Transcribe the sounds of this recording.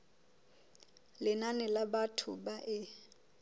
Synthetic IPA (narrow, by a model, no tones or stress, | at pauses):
lɪnanɛlabatʰʊbaʔɪ